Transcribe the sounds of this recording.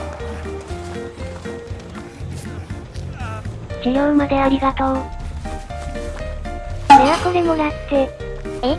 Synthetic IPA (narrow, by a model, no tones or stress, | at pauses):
sijoɯmad̪e̞aɾʲiɡat̪oː | oɾeβakod̪emonat̪ːe | e